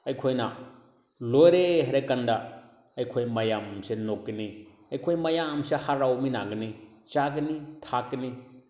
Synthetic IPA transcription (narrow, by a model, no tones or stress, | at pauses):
ɐjkʰojna | lojɾeɦaɾakanda | ɐjkʰojmɐjamsenok̚ɡini | ɐjkʰojmɐjamsehaɾawmina̰ɡɐni | t͡ʃaɡɐnitʰakɡɐni